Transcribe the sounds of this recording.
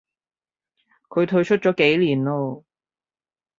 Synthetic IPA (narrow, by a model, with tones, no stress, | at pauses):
kʰɵ˨˧ɥt̪ʰɵ˧ɥt͡ʃʰɵ˥t̚t͡ʃɔː˨˥ke˨˥jliː˨˩nlɔː˧